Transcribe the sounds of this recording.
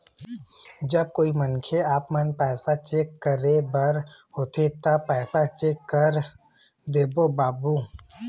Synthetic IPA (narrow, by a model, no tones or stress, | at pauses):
d͡ʒəb̚koːimənkʰeaːpmənpɛːsat͡ʃeːkːəɾebəɾhoːt̪ʰet̪apɛːsat͡ʃeːkːəɾ | d̪eːbobaːbuː